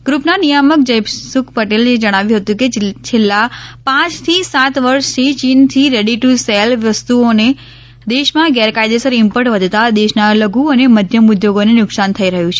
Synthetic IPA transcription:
ɡ̥ɾupnanijamək̚d͡ʒəjbsʊkʰpəʈelned͡ʒəɽ̃aʋjũɦət̪ũket͡ʃʰelːapãt͡ʃt̪ʰisat̪ʋəɾʃt̪ʰit͡ʃint̪ʰiɾeɽiʈuselʋəst̪uone | d̪eʃmãɡɛɾkajd̪esəɾɪmpəɾʈʋəd̪ʱt̪ad̪eʃnaləɡuəneməd̪ʱjəmʊd̪joɡonenʊksant̪ʰəiɾəɦjũt͡ʃʰe

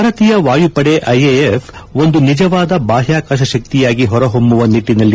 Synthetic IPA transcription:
aːɾɐt̪ijɐʋaːjupɐɽeʔɐjeefo̞nd̪unid͡ʒɐʋaːd̪ɐbaːɦjaːkaːʃɐʃɐk̚t̪ijaːɡiɦɔɾɐɦombuʋɐniʈːinɐlːi

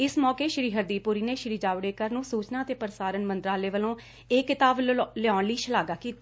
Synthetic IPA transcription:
ɪsmɔːkeːʃɾiːɦəɾd̪iːpʊɾiːneːʃɾiːd͡ʒaːʋɽeːkəɾnũːsuːt͡ʃnaːət̪eːpəɾsaːɾənmə̃nt̪ɾaːleːʋəlõː | eːkːɪt̪aːblɪɔːnliːʃəlaːɡaːkiːt̪aː

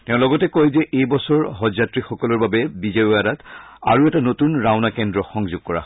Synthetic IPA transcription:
tɛʊ̃lɔɡɔtɛkojzɛʔejbɔsɔɹɦɔzatɹixɔkɔlɔɹbabɛbizeɔadata̰ɹuɛtanotunɹaʊnakɛndɹɔxɔŋzʊɡ̚kɔɹa̰

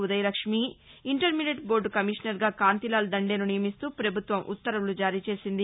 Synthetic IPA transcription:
ud̪ɐjɐlɐkʂmiiɳʈɐɾmineʈbo̞ːɾɖkɐmiʂnɐɾɡaːkaːnt̪ilaːld̪ɐɳɖe̞ːnunijɐmist̪uːpɾɐbʱut̪ʋɐmʔṵt̪ːɐɾɐmlud͡ʒaːɾiːt͡ʃe̞ːsind̪i

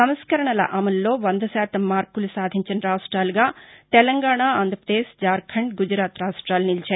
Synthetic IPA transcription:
ɐmskɐɾɐɳɐlɐ̰ʔɐmɐlːo̞ːʋɐnd̪ʱɐsaːt̪ɐmːaːɾkulusaːd̪ʱiɲt͡ʃinɐɾaːʂʈɾaːluɡaːt̪ɛlɐŋɡaːɳaːaːnd̪ʱɾɐpɾɐd̪eːʂd͡ʒaːɾkʰɐɳɖɡud͡ʒɾaːt̪ɾaːʂʈɾaːlunilt͡ʃaːɾi

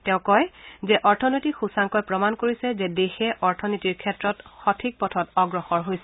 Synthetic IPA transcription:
tɛʊ̃kɔjzɛʔɔɹtʰɔnotixusaŋkɔjpɹɔmankoɹisɛzɛdexɛʔɔɹtʰɔnitiɹkʰɛtɹɔtxɔtʰik̚pɔtʰɔtɔɡɹɔxɔɹɦojsɛ

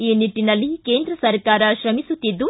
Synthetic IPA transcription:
iːniʈːinɐlːike̞ːnd̪ɾɐsɐɾkaːɾɐʃɾɐmisut̪id̪ːu

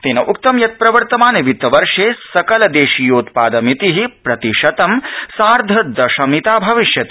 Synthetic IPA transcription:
t̪eːnɐʔukt̪ɐmjɐt̪̚pɾɐʋɐɾt̪ɐmaːniʋit̪ɐʋɐɾʂeːsɐkɐlɐd̪eːʃijoːt̪paːd̪ɐmit̪iɦipɾɐt̪iʃɐt̪ɐmsaːɾd̪ʱɐd̪ɐʃɐmit̪aːbʱɐʋiʃjɐt̪i

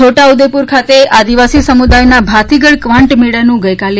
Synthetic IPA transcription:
oʈaud̪epuɾkʰat̪ead̪iʋasisəmud̪ajnabʱat̪iɡəɭkʋãɳʈmeɭənũɡəjkal

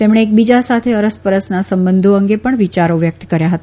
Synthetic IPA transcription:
t̪emɳ̃eːk̚bid͡ʒasat̪ʰeəɾəspəɾəsnasəmbənd̪ʱoəŋɡepəɳʋit͡ʃaɾoʋjək̚t̪kəɾjaɦət̪a

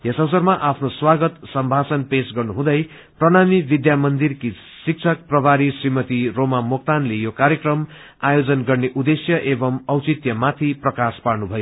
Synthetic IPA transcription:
jesʌwsʌrmaʔapʰnoswaɡʌt̪sʌmbʱasʌnpesɡʌrnuɦũd̪ʌj | prʌnamibid̪jamʌnd̪irki | sik̚t͡sʰʌk̚prʌbʱaɾisrimʌt̪iromamok̚t̪anlejokaɾjʌkrʌm | ajod͡zʌnɡʌrneʔud̪esjʌʔebʌmʌwt͡sit̪jʌmat̪ʰiprʌkasparnubʱʌjo

